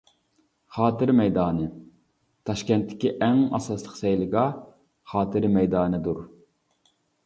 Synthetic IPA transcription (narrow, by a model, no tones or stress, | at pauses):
χɑːt̪ɨɾmɛjd̪ɑːnɨ | t̪ʰɑʃkʲɛnt̪ːɪ̥kʲiʔɛŋɑ̰sɑslˠəqsɛjlˠɨɡɑ | χɑːt̪ʰɨɾmɛjd̪ɑːnɨd̪uɾ